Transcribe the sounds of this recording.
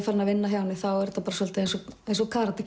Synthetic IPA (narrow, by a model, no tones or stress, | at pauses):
faɾnavɪnːaɦjawnɪθawɛɾt̪apaːɾasɔlt̪aejnsɔejns̬ɔkʰaːɾat̪a